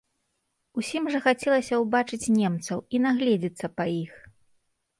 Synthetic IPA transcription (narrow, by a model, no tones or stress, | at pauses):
usʲimʐɐxat͡sʲɛlˠɐsʲɐwbat͡ʂɨt͡sʲnʲɛmt̪sɐwinaɣlʲɛd͡zʲit̪sːɐpɐix